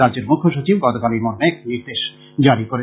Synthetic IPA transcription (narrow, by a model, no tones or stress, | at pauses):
add͡ʑeɾmukʰːoʃot͡ɕibɡɔt̪okaliɾmoɾneek̚iniɾd̪eʃ | d͡ʑaɾikoɾe